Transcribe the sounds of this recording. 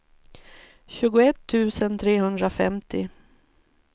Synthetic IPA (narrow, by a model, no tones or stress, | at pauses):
ɕʉ̟ːɡʊɛt̪ʰːʉ̟ːsənt̪ʰɾeːhɵnd̪ɾafɛ̰mt̪ʰɪ